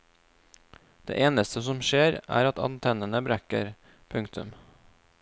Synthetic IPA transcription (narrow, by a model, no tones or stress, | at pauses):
d̪̥ḛːʔeːnəst̪əsɔmʃeːɾæ̰ːɾɑt̪ɑ̰nt̪ʰɛnənəbɾækə̰ɾ | pʰʉŋkt̪ʰʉ̰m